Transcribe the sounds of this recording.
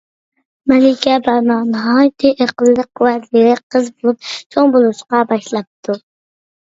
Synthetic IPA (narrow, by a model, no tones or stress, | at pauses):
mɛlɪkʲɛbɑɾnɑnɨɦɑjt̪ʰɨʔeqəlˠːəq̚wæiɾɪqʰəzbolˠup̚t͡ʃʰoŋbolˠuʃqɑbɑʃlˠɑp̚t̪ʰu